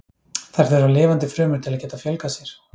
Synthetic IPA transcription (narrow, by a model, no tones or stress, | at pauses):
θaɾ̥θɛɾalɪːvant̪ɪfɾœːmʏɾ̥t̪ʰɪlaðcɛːt̪afjœlkasjɛɾ̥